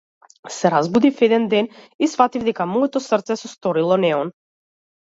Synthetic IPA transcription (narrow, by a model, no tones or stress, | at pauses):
sɛɾazbud̪ifɛd̪ɛnd̪ɛnisfat̪ivd̪ɛkamɔɛt̪ɔsrt̪sɛsɔst̪ɔɾilˠɔnɛɔn